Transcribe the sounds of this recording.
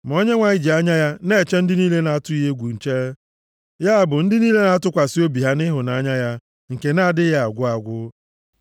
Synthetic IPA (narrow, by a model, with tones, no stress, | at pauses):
m˨o˦ɲe˦ŋʷa˨ɲɪ˦d͡ʒi˨a˦ɲa˦ja˦ne˦˨t͡ʃe˦n̩˦dɪ˦niː˦le˦na˨˦tʊ˦i˦ɦe˦ɡʷu˨n̩˨t͡ʃe˦e˦ | ja˦a˨bʊ˨n̩˦dɪ˦niː˦le˦na˦a˦tʊ˦kʷa˨si˦o˦bi˨ɦa˦nɪ˦ɦʊ˨na˨a˦ɲa˦ja˦ | ŋ̩˨ke˨na˦˨dɪ˦ja˦a˨ɡʷʊ˦a˨ɡʷʊ˦